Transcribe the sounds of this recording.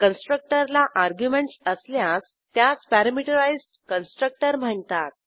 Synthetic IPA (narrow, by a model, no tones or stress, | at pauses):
kənsʈɾək̚ʈəɾlaʔaɾɡjumeɳʈsəsljas | t̪ːjat͡spæɾamiʈəɾaizʈkənsʈɾək̚ʈəɾm̤əɳt̪at̪̚